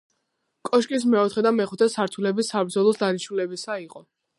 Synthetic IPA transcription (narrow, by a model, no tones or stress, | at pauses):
kʼɔʃkʼis̬mɛɔt̪ʰχɛd̪amɛχut̪ʰɛsaɾt̪ʰulɛbisabɾd̪zɔlˠɔsd̪aniʃulɛbisaiqʼɔ